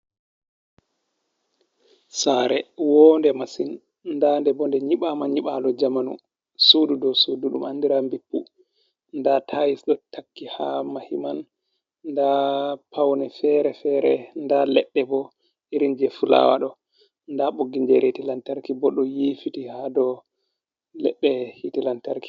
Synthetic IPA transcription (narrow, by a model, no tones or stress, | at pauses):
saːɾɛwɔndɛmasin | ndandɛbɔndɛɲiɓamaɲiɓalɔd͡ʒamanṵ | sududɔsuduɗumandiɾambipːu | ndatʰajisɗɔtʰakːihamahiman | dapawnɛfɛɾɛfɛɾɛndalɛɓːɛbɔ | iɾind͡ʒɛfula̰wa̰ɗɔ | ndaɓoɡːiɲd͡ʒɛɾetilantaɾkibɔɗɔjifitihadɔ | lɛɓːɛhitilantaɾki̥